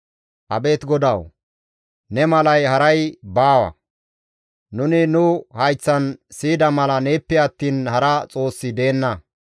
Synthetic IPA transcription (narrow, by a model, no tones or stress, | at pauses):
ʔɐbeːt̪ɡɔd̪ɐw | nɛmɐlɐjhɐɾɐjbaːwɐ̰ | nʊnɪnʊhɐjt͡sːɐnsiːd̪ɐmɐlɐneːpːɪɐt̪ːiːnhɐɾɐt͡sʼo̞ːsːɪd̪e̞ːnːɐ